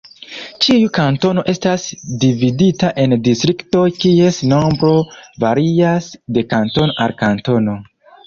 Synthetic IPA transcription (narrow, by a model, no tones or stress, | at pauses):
t͡ʃiukanto̞no̞ʔe̞stasdividitaʔe̞ndistɾikto̞kie̞snombɾo̞vaɾiasde̞kanto̞noʔaɾkanto̞no̞